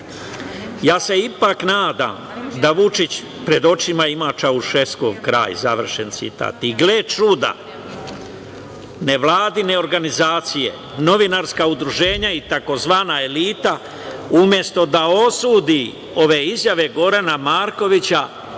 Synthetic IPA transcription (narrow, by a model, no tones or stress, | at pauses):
jaːse̞ipaknaːd̪a̰md̪aʋut͡ʃit͡ɕ | pɾe̞d̪o̞t͡ʃimaimat͡ʃauʃe̞skoɡkɾa̰ːj̰zaʋr̩ʃent̪sḭt̪a̰ːt̪iɡleːt͡ʃud̪a̰ | ne̞ʋlˠaːd̪ine̞o̞ɾɡanizaːt̪sijḛ | no̞ʋinaɾskaud̪ɾuʒe̞ːɲait̪ako̞zʋaːnae̞liːt̪a | umje̞st̪o̞d̪aosuːd̪i | o̞ʋe̞izjaʋe̞ɡo̞ɾanamaːɾko̞ʋit͡ɕa